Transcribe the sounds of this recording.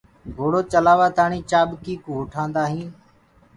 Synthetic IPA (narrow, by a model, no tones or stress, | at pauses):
ɡʱoːɽoːt͡ʃəlaːʋaːt̪aːɳiːt͡ʃaːɓkiːkũːɦʊʈʰãːnd̪aːɦĩː